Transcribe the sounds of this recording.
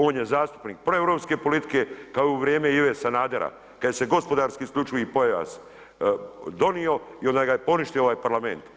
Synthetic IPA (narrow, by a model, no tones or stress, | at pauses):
oːnjezaːst̪u̥pniːk̚pɾo̞evɾo̞ːpske̞po̞lit̪i̥ke̞kaouʋɾjeːmeiʋesanaːd̪eɾa̰ | kajese̞ɡo̞spod̪aːɾskiːskʎʲut͡ʃujipojaʋa̰s | d̪o̞nio̞iond̪ajɡajepo̞niʃt̪iooʋaːjpaɾlame̞̰nt̪